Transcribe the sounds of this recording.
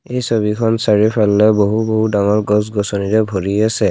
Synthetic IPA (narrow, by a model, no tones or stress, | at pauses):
ejsobikʰɔnsaɹipʰalːɛboɦuboɦudaŋɔɹɡɔsɡɔsɔniɹɛbʱoɹiasɛ